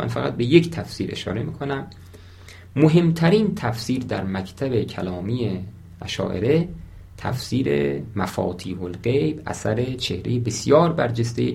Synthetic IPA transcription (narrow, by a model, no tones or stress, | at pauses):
mæ̰nfæɣæt̪̚be̞ject̪ʰæfsiːɾʔe̞̰ʃɒ̰ːɾe̞miːkʰo̞næmː | oɦe̞mt̪ʰæɾiːnt̪ʰæfsiːɾd̪æɾmækʰt̪ʰæbecʰælɒːmije | æ̰ʃɒ̰ːʔe̞̰ɾe | t̪ʰæ̰fsiːɾḛmæfɒ̰ːt̪ʰiːholɢejbʔæ̰sæɾe̞t͡ʃʰehɾejebesjɒːɾbæɾd͡ʒest̪ej